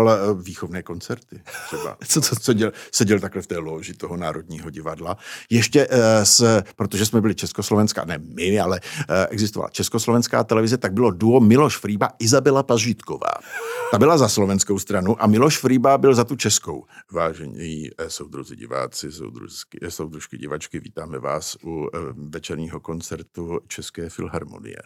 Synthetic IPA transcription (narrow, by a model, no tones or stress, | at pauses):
lviːxovnɛːko̞nt͡sɛɾt̪ɪt̪r̥ɛba̰oosɛɟɛlsɛɟɛlt̪aklɛft̪ɛːloːʒɪt̪oɦonaːɾo̞dɲiːɦoɟɪvadlajɛʃcɛspɾot̪o̞ʒɛsmɛbɪlɪt͡ʃɛskoslovɛnska̰nɛmɪalɛʔɛɡzɪst̪ova̰la̰t͡ʃɛskoslo̞vɛnska̰ːt̪ɛlɛvɪzɛt̪aɡ̚bɪlo̞duomɪloʃfɾiːbaʔɪzabɛlapaʒiːt̪ko̰va̰ːt̪abɪlazaslo̞vɛnskowst̪ɾanuʔamɪloʃfɾiːbabɪlzat̪ut͡ʃɛsko̰wvaːʒɛɲɛ̰jisowd̪ɾuzɪ̰ɟɪ̰va̰ːt͡sɪso̰wd̪ɾṵsowd̪ɾuʃkɪɟɪ̰vat͡ʃkɪvḭːt̪aːmɛva̰ːsʔuvɛt͡ʃɛɾɲiːɦoko̞nt͡sɛɾt̪ut͡ʃɛskɛːfɪ̰lɦaɾmo̰nɪ̰jɛ̰